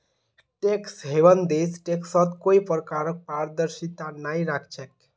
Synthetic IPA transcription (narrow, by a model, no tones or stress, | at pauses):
ʈeksɦeʋənd̪esʈeksɔt̪koipəɾkaɾək̚paɾd̪əɾʃit̪anaiɾakʰt͡ʃʰək